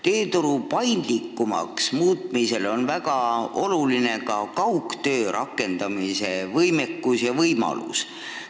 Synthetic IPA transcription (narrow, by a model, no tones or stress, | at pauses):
t̪e̞ːt̪uɾupɑjnd̪likːumɑ̰ksmuːt̪ˑmise̞lo̞nvæɡ̥ɑo̞luline̞kɑkɑwkt̪ø̞ːɾʔɑkːˑe̞nd̪̥ɑmise̞vɤjme̞kːˑusjɑvɤjmɑ̰lṵs